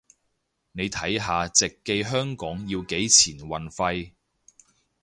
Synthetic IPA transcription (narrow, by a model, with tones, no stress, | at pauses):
ne˨˧jt̪ʰɐ˨˥jɦaː˨t͡sɪ˨kːe˧jɦœː˥ŋkɔː˨˥ŋjiː˧wke˨˥jt͡sʰiː˨˩nwɐ˨nfɐ˧j